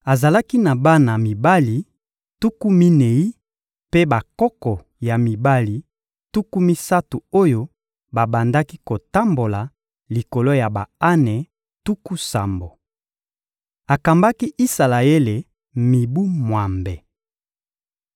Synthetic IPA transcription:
a˨za˨la˦ki˦na˨ba˦na˨mi˨ba˦li˨ | tu˦ku˦mi˦ne˨i˦ | pe˦ba˨kɔ˦kɔ˨ | ja˨mi˨ba˦li˨ | tu˦ku˦mi˦sa˦tu˨o˦jo˦ | ba˨ba˨nda˦ki˦ko˨ta˦mbo˨la˨ | li˨ko˨lo˦ja˨ba˨a˦nɛ˨ | tu˦ku˦sa˨mbo˨ | a˨ka˨mba˦ki˦ʔi˦sa˨la˨e˦le˨ | mi˨bu˦mwa˨mbɛ˨

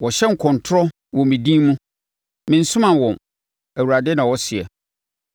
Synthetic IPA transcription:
wɔ˨ɕɛ˦ŋ̩˨kʰɔ̃˨ntʰʊ˦ɾɔ˦ | wɔ̃˨mĩ˨dĩ˦mũ˦ | mɪ̃˨n̩˦sʊ̃˦mã˨wɔ̃˨m | æ˨wu˨ɾa˨dɛ˦nã˨wɔ˦sɪ˨ɛ̰˨

